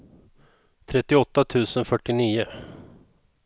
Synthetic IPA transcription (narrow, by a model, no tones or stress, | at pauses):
t̪ʰɾɛt̪ːɪɔt̪ːat̪ʰʉ̟ːsənfœʈːɪniːə